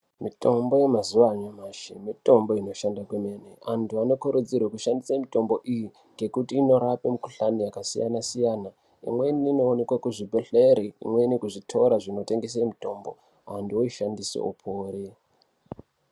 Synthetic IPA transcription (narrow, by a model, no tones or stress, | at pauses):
mito̞mbo̞je̞mazuʋaɲamaːʃḛmito̞mbo̞ino̞ʃandakweme̞neantʰuano̞kuɾud͡zirwakuʃandisamito̞mbo̞ʔiji | ŋɡe̞kutiːno̞ɾapemukuɬanijakasija̰nasijaːna | ḭmwe̞iniːno̞ːne̞kwakuʐibʱeɬeɾeḭmwe̞inikuʐitʰo̞ɾaʐino̞te̞ŋɡes̬emito̞mbo̞̰ | antuoiʃandiso̰o̰pʰoːɾe